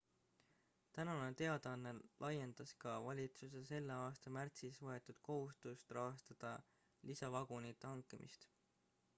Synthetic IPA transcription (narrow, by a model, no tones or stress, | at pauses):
t̪ænɑnet̪e̞ɑd̪̥eɑnːelʔɑje̞nd̪̥ɑskɑvɑlʲit̪suse̞se̞lːeɑːst̪ɑmært̪sisvɤe̞t̪ːˑud̪̥ko̞ɦust̪ust̪rɑɦɑst̪ɑd̪̥ɑ | lisɑvɑɡ̥unit̪ːˑehɑŋkːˑemʔḭst̪